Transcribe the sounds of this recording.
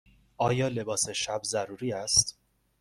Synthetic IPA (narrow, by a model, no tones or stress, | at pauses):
ʔɒːjɒːle̞bɒːseʃæbzæɾuːɾiːæst̪